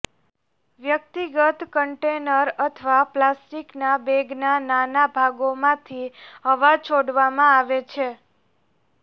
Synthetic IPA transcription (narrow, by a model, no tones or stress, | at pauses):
ʋjək̚t̪iɡət̪kəɳʈenəɾət̪ʰʋaplasʈiknabeɡnananabʱaɡomãt̪ʰiɦəʋat͡ʃʰoɽʋamãaʋet͡ʃʰe